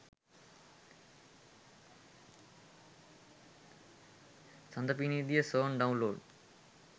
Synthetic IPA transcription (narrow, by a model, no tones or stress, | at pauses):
sɐnd̪ɐpinid̪ijɐsoːnɖɐw̃nloːɖ